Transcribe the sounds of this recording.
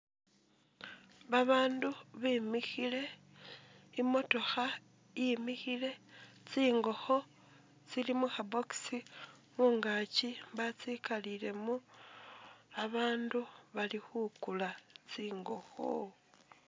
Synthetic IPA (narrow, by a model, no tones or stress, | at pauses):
βaβaːnduβiːmixile̞ | imo̞to̞xa | imixile̞ | t͡siːŋɡo̞xo̞ | t͡silimuxaboksi | muːŋɡacibat͡sikalile̞mu | aβaːnduβalixukulat͡siːŋɡo̞xo̰